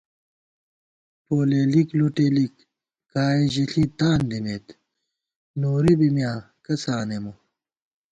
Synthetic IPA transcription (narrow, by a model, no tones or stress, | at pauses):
poːleːlikluʈeːlikː | aːeʑiɬit̪aːnd̪imeːt̪ | noːɾibimjaː | kɐsaːnemu